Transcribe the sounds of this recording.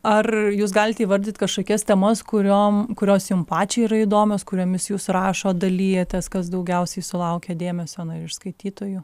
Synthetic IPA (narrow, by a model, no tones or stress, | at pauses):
ɐrjuːs̬ɡɑːlʲɪt̪ʲɛːʋɐɾʲd̪ʲiːt̪ʲkɐʃkoːkʲɛst̪ʲɛmɐskʊɾʲoːmkʊɾʲoːsjʊmpɑːt͡ʃʲɛiɾɐid̪oːmʲoːskʊɾʲoːmʲɪsjuːsrɑːʃoːd̪ɐlʲiːjɛt̪ʲɛskɐs̬d̪ɐʊɡʲɛʊsʲɛɪsʊlˠɐʊkʲɛd̪ʲeːmʲɛsʲoːɐnɐɪɾɪʃskɐɪt̪ʲiːt̪oːjʊ